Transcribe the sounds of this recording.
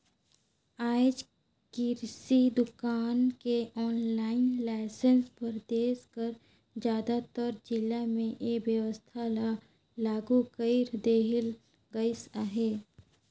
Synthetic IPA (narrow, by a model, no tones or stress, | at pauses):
aːd͡ʒ | kiɾsid̪ʊkaːnkeɔːnlaːɪnlaːɪsənspəɾd̪eːskəɾ | d͡ʒjaːd̪at̪əɾd͡ʒɪlamẽʔeːʋjəwəst̪ʰala | laːɡukəiɾd̪eːɦɪl | ɡəɪsaɦeː